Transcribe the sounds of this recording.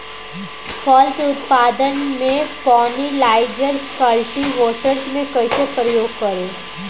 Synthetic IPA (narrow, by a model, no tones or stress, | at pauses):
sɔːlt̪ʊt̪paːd̪ənmẽpɔːnilaːɪd͡ʒəɾkɐlʈiɦoːʈəɾsmẽkɐisepɾəjoːɡ̚kɐɾeː